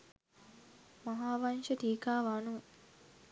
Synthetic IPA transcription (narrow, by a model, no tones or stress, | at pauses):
mɐɦaːʋɐnʃɐʈiːkaːʋaːnu